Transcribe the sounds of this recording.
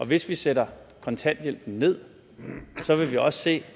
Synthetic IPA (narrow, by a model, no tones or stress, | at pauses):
ʔɒ̽ʋe̝sʋiseɾɐ | kʰɒ̽nt͡sʰæn̰d̥jel̰b̥n̩ne̝ð̞̰ˠ | sɒ̽ʋe̝ʋiɒ̽sə̥se̝̰ː